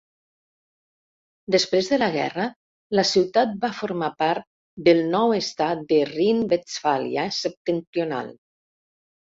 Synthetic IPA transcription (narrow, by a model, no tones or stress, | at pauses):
d̪espɾezðələɣɛ̰rə | ləsiwt̪at̪̚bafoɾmapaɾt̪̚ | d̪əlˠnɔwest̪at̪̚d̪ərinbet͡sfalj̰a̰səp̚t̪ənt̪ɾiona̰lˠ